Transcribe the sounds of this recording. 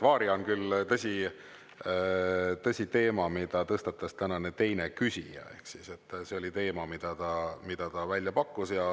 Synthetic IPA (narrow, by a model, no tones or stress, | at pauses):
vɑːɾionkylt̪ɤsʲi | t̪ɤsʲit̪e̞ːmɑmid̪̥ɑt̪ɤst̪ɑt̪ːˑɑst̪ænɑne̞t̪e̞jne̞kysʲijɑ̰e̞̰hksise̞t̪ːˑse̞o̞lʲit̪e̞ːmɑmid̪̥ɑt̪ɑmid̪̥ɑt̪ɑvælʲjɑpɑkːusjɑ